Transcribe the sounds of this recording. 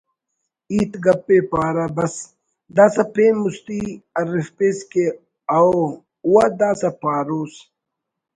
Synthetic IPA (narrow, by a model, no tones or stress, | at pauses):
iːt̪ɡɐpːeːpaːɾɐbɐs | d̪aːsɐpeːnmust̪iɐɾifpeːske | ao | uwad̪aːsɐpaːɾoːs